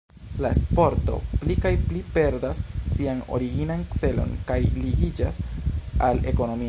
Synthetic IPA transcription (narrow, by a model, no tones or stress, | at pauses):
laespo̞ɾto̞̰plikajplipe̞ɾdasːiano̞̰ɾiɡinankt͡se̞lo̞̰nkajliɡid͡ʒa̰sale̞̰ko̞no̞mi